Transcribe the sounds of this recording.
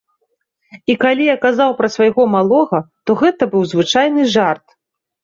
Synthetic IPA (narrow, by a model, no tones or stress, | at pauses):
ikalʲijakazawpɾɐsvajɣɔmalˠɔɣɐt̪ɔɣɛt̪ɐbɨwzvɨt͡ʂajnɨʐart̪